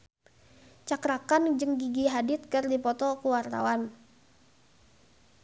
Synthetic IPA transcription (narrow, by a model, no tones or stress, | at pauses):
t͡ʃakɾakand͡ʒɨŋɡiɡiɦadɪt̪̚kɨrdipɔt̪ɔkuwart̪a̰wan